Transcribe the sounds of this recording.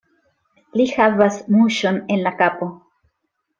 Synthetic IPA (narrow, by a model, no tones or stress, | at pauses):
lihavasmuʃo̞nenlakapo